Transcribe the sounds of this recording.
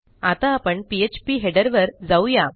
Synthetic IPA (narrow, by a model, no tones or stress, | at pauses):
at̪aːpəɳpiet͡ɕpiɦeɽəɾʋəɾd͡zauja